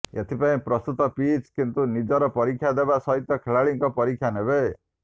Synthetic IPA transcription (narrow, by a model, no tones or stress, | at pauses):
et̪ʰipaĩpɾɔst̪ut̪ɔpit͡ʃkint̪unid͡ʒɔɾɔpɔɾikʰːjad̪ebasɔɦit̪jɔkʰeɭaɭiŋkɔpɔɾikʰjanebe